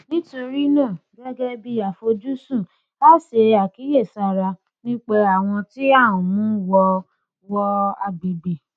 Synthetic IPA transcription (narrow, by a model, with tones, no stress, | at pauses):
nĩ˦to˧ɾi˦nãː˦˨ɡɛ˦ɡɛ˦bi˧a˨fo˧d͡ʒu˦sũ˦˨ | la˦˨se˧a˨ki˨˦je˦˨sa˦˨ɾa˧ | nĩ˦k͡pe˧a˨w̃ɔ̃˧ti˦a˦˨wɔ̃˨mũ˦wɔ˧ | wɔ˧a˧ɡ͡bi˨be˨